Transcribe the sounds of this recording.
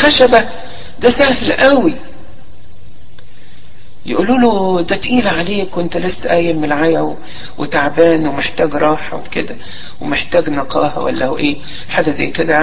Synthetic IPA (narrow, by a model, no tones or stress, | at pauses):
xæʃæbæ | d̪æsæhlʔæwi | jeʔuːluːlod̪æt̪ʔiːlʕaleːkwent̪ælesːʔæjːæmelʕajæw | wet̪aʕbæːnwemeħt̪æːɡɾˤɑːħɑweked̪æ | wemeħt̪æːɡnɑqɑ̰ːɦɑ̰wæ̰lːæhoʔeː | ħaɡæzæ̰jːked̪æʕ